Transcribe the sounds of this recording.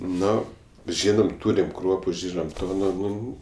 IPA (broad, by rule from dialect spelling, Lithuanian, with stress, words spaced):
ˈnoː ˈʒʲiːnɐm ˈtuːrʲɪm ˈkruɔpʊ ˈʒʲiːnɐm ˈtoː nʊ ˈnʊ